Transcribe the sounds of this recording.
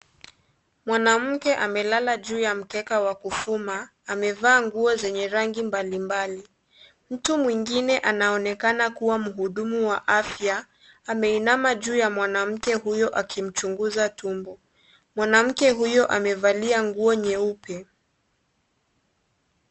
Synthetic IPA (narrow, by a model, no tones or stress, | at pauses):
mwanam̩kɛʔamɛlalaʄuːjam̩kɛkawakufumaː | mɛvaːŋɡuɔzɛɲɛɾaŋɡimbalimbali | m̩tumwiŋɡinɛʔanaɔnɛkanakuwam̩ɦuɗumuwaʔafjaː | mɛinamaʄuːjamwanam̩kɛɦujɔʔakim̩t͡ʃuŋɡuzatumbɔ | mwanam̩kɛɦujɔʔamɛvaliaŋɡuɔɲɛupɛ